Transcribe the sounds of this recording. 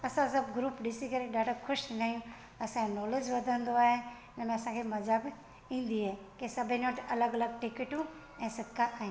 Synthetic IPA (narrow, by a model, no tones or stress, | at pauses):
ɐsãsɐbɡɾuːpɖɪsikʰəɾeɖaːʈəkʰʊʃnaːijũ | ɐsãnɔːled͡ʒʋɐd̪ʱə̃nd̪oaːɦeɪnəmẽɐsãkʰemɐzab | ĩːn̆d̪iɦeː | kesɐbʱẽnəʈʰɐləɡɐləɡ̚ʈɪkɪʈũ | ɛ̃ːsɪkkːaʔaːɦĩ